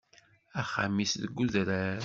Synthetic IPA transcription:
æχa̰misðəɡːuðɾæɾ

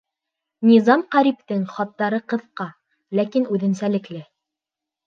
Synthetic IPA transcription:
nʲizɑmqɑɾip̚t̪ɘŋχɑt̪ːɑɾɤqɤ̆ðqɑ | lækinʉðɘ̆nsælɘ̆klɘ

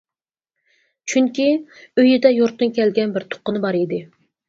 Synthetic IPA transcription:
t͡ʃʰyŋkʲiøjɪd̪ɛjoɾt̪ːɨnkʲɛlɡʲɛnbɪɾt̪ʰo̥qːənɨbɑɾid̪ɪ

